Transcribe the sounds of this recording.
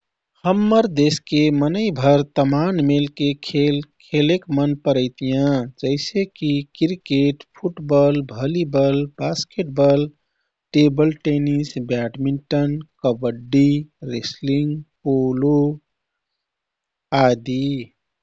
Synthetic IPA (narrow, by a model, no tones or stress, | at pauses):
həmːəɾd̪eskemənəɪbʱəɾt̪əmanmelkekʰelkʰelekmənpəɾəɪt̪ijãd͡ʒəɪsekikiɾikeʈpʰuʈbəlbʱəlibəlbaskeʈ̚bəl | ʈebəlʈenisbaʈmiɳʈənkəbəɖːiɾesliŋɡpolo | ad̪i